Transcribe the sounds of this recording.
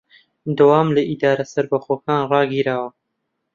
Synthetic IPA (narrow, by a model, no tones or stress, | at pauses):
d̪ɐwaːmlɐʔid̪aːɾɐsɐɾbɐxoːkaːnrɑːɡiːɾaːwɐ